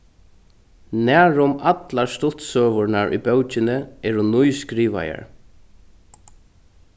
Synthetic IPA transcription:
næːɹʊmat̪laɹst̪ʊt̪sœːvʊɹnaɹʔʊ̰bœwt͡ʃɪnɪɛɾʊnːujskɾiːʋa̰ja̰ɹ

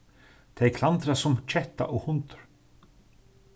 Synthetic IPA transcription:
t̪ʰejkʰlant̪ɾasʊmt͡ʃʰɛht̪a̰ʔɔɣhʊnt̪ʏ̥ɾ̥

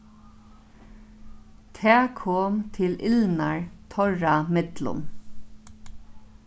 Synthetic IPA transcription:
t̪ʰæːkʰoːmt̪ʰɪlɪlnaɹt̪ʰɔɹamɪt̪lʊ̰n

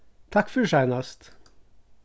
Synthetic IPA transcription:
t̪ʰɑkfɔʃæɪnɑst̪

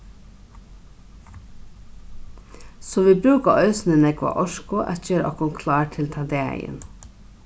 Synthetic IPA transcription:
soːʋiːbɾʉːkɑʔœʏsn̩ənɛɡʋɑ̰ːʔɔʃkʊʔæ̰çøːɾʔɔ̰kʊŋkʰlɑːʈʰɪlt̪ʰɑnd̪eæ̰ɪə̰n

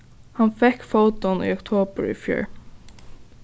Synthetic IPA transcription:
hanfɛkfowt̪ɔny̰ːɔkt̪ʰoːpəɹḭfjœ̰ːɹ

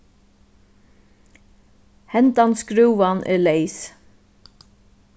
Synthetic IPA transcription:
hɛnt̪anskɾʉːʋanʔɛ̰lejs

